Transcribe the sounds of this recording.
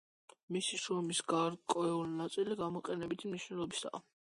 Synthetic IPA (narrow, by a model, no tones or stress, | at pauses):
misiʃɾɔmisɡaɾkʼɔɛulinat̪sʼiliɡamɔqʼɛnɛbit̪ʰimniʃwnɛlˠɔbisa̰ː